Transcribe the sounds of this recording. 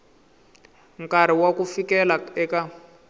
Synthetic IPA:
ŋkaɾ̤iwakufikɛlaɛka

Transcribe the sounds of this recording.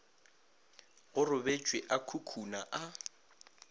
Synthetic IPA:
ɣʊrʊbet͡ʃʼwɪʔakʰukʰunaʔa

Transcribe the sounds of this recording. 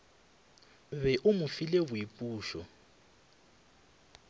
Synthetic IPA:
βɛʔumʊfilɛβuipʼuːʃɔ

